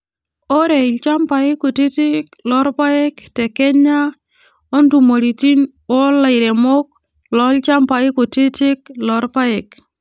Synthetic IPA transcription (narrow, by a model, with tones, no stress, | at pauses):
o˦ɾe˨lt͡ʃa˦mpa˨ɪ˦ko˨ti˦tɪ˦klɔ˦ɾpa˦ɛ˦ktɛ˨kɛ˦ɲa˦ | o˦ntu˨mo˨ɾi˨ti˦n | o˦la˨ɪ˨ɾe˨mo˦k̚ | lɔ˦lt͡ʃa˦mpa˨ɪ˦ko˨te˦tɪ˦klɔ˨˦ɾpa˦ɛ˨k